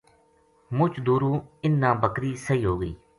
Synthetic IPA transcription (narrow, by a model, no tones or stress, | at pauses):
mʊt͡ʃd̪uːɾũːɪnːãːbəkɾiːsəɦiːɦoːɡḭː